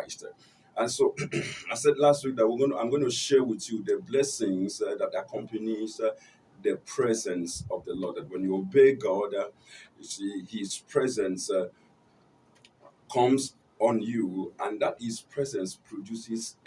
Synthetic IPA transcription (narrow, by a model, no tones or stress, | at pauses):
ɪst | ãnsoaɪsɛdlast̚wik̚dat̚wiɡonã̰ɪmɡonoʃɛwɪθjudəblɛsɪ̃ŋzdatakʰɔ̃mpaniz | ðəpʰɹɛzɛ̃nsɔvdəlɔd̚at̚wɛ̃njuobeɡɔd | jusihiz̥pʰɹɛzɛ̃ns | kʰʌ̃mz | ɔ̃njuãndat̚hizpʰɹɛzɛ̃nspʰɹodjusɪz